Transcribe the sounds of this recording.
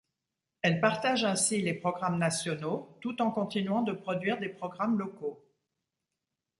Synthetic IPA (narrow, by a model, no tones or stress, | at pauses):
ɛlpaʁt̪aʒɛ̃silepχɔɡʁamnasjɔnot̪ut̪ɑ̃kɔ̃t̪inɥɑ̃d̪əpχɔd̪ɥiʁd̪epχɔɡʁamlɔko